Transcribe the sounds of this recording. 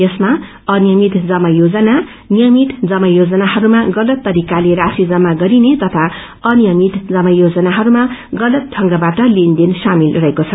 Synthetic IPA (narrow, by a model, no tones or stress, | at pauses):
jʌsma | ʌnijʌmit̪d͡zʌmʌjod͡zʌna | nijʌmit̪d͡zʌmʌjod͡zʌnaɦʌɾumaɡʌlʌt̪ːʌɾikaleɾasid͡zʌmːaɡʌɾinet̪ʌt̪ʰa | ʌnijʌmit̪d͡zʌmʌjod͡zʌnaɦʌɾumaɡʌlʌt̪̚ʈʰʌŋɡʌbaʈʌlend̪insamilrʌɦekot͡sʰʌ